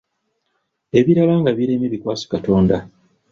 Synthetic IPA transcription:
e̞βiɾalaːŋɡaβiɾemiβikwaːso̥kato̞ːnda

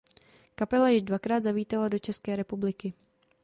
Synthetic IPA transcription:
kapɛlajɪʒdvakɾaːd̪zaviːt̪alado̞t͡ʃɛskɛːɾɛpublɪkɪ

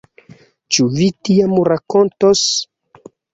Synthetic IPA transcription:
t͡ʃuvitiamɾakontos

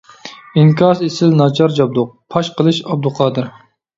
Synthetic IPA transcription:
iŋkʲʰɑzesɪlnɑd͡ʒɑɾd͡ʒɑb̚d̪ʊq̚pʰɑʃqəlˠɨʃɑb̚d̪uqʰɑːd̪ɨɾ

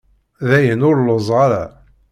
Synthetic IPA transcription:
ðæjənʊɾləzˤʁɑɾæ̰

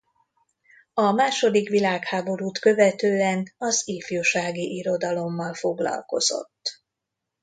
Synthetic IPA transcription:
ɒmaːʃo̞d̪ikʋilaːkhaːbo̞ɾuːt̪kø̞vɛt̪øːɛnɒziːfjuːʃaːɡiʔiɾo̞d̪ɒlo̞mːɒlfoɡlɒ̰lko̞̰z̥o̞̰t̪ː

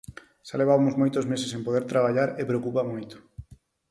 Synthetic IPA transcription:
ʃaleβ̞amozmojt̪ozmesesempoðeɾt̪ɾaβ̞aʎaɾepɾeokupamojt̪o̥

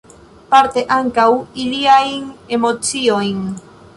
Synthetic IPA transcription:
paɾt̪eʔaŋkawiliajŋemot͡siojŋ

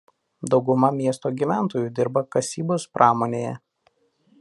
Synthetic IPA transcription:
d̪ɒʊɡʊmɐmʲiɛst̪oːɡʲiʋʲæˑnˑt̪oːjuːd̪ʲɪɾbɐkɐsʲiːboːspɾʔɑːmoːnʲeːjɛ

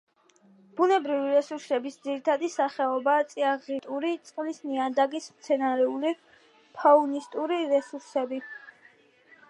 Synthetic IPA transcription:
b̥unɛbɾiviɾɛsuɾsɛbisd̪ziɾit̪ʰad̪isaχɛɔbaːt̪sʼiaʁit̪ʼuɾit̪sʼqʼlisniad̪aɡismt̪sʰɛnaɾɛuli | pʰaunist̪ʼuɾiɾɛsuɾsɛbi

